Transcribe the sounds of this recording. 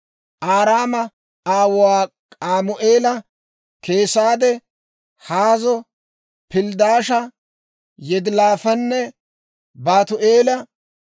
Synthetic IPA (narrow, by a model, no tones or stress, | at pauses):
ʔaːɾaːmɐ | aːwʊwaː | kʼaːmʊʔeːlɐ | kʰeːsaːd̪ɛ | haːzɔ | pɪld̪aːʃɐ | jɛd̪laːfɐnːɛ | baːt̪ʊʔeːlɐ